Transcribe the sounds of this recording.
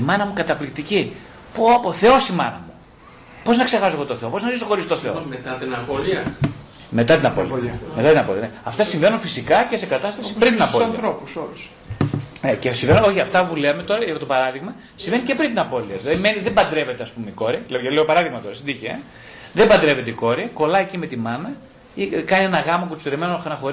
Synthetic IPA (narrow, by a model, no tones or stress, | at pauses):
imɐnɐmukɐt̪ɐplikt̪ici | popoθe̞o̞simɐ̰nɐ̰mu | po̞znɐkse̞ɣɐsoɣot̪oθeo̞po̞znɐzisoxoɾisot̪oθeomet̪ɐt̪inɐoliɐ | me̞t̪ɐt̪inɐpolimet̪ɐt̪inɐpolḭɐneɐft̪ɐsiɱve̞nunfisikɐce̞se̞kɐt̪ɐst̪ɐsipɾint̪inɐpoɐinɐθɾopusols | ecesivenuoçiɐft̪ɐpulemet̪o̞ɾɐepot̪opɐɾɐðiɣmɐ | sive̞nice̞pɾint̪inɐpo̞liɐðilɐðimeniðebɐnd̪ɾe̞ve̞t̪eɐspumeiko̞ɾiɐilɐʝɐt̪ileopɐɾɐðiɣmɐt̪o̞ɾɐsind̪içiḛ | ðebɐnd̪ɾe̞ve̞t̪eiko̞ɾiɐko̞lɐecime̞t̪imɐnɐ | ikɐnienɐɣɐmɐkut̪usiɾemenonɐxo̞ɾ